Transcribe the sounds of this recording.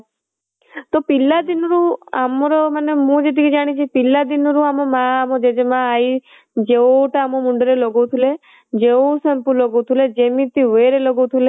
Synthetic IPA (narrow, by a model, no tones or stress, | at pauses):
t̪opilːad̪inɾuamɔɾɔmənemũd͡ʒet̪̬ikid͡ʒaɽ̃it͡ʃʰipilːad̪inɾuamomãːmod͡ʒed͡ʒemãːi | d͡ʒeoʈaːmomuɳɖəɾelɔɡowt̪ʰule | d͡ʒeosempulɔɡowt̪ʰuled͡ʒemit̪iʋeɾelɔɡot̪ʰule